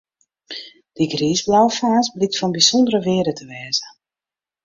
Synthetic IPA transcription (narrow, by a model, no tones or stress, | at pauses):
d̥iɡriːzblawəfaːsblik̚tfɔnbisondəɾəʋɪːədətʰəʋɛːzə